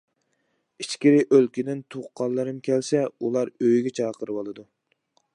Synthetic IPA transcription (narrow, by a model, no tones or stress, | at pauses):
it͡ʃkʲiɾɪʔølkʲid̪ɪnt̪ʰoχqʰːɑllˠːɨɾɨmkʲʰɛlsɛulˠɑɾøjɡʲɛt͡ʃʰɑːqəɾɨbɑlˠɨd̪u